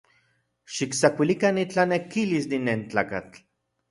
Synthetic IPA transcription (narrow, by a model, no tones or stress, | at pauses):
ʃiksakʷilikanit͡ɬanekilisd̪inent͡ɬaːka̰t͡ɬ